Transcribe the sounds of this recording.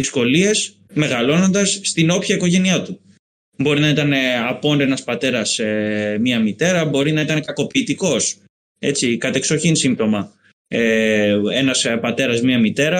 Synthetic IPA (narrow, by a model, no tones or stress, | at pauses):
isko̞lie̞s | me̞ɣɐlo̞no̞nd̪ɐsːt̪ino̞pçɐiko̞ʝe̞niɐt̪u | bo̞ɾinɐit̪ɐne̞ɐpo̞nɾe̞nɐspɐt̪e̞ɾɐsemɐmit̪e̞ɾɐbo̞ɾinɐit̪ɐne̞kɐko̞piːt̪iko̞s | e̞t͡sikɐt̪ekso̞çinsimt̪o̞mɐ | ee̞nɐspɐt̪e̞ɾɐzmɲɐmit̪e̞ɾɐ